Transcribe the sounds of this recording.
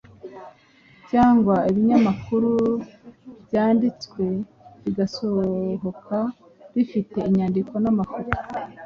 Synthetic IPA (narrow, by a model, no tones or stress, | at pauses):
caːŋɡwaiβiɲamakuɾu | bjaːndit͡skwe̞ | ɾiɡaso̞ɦo̞kʰa | ɾifite̞iɲandiko̞namafoto̥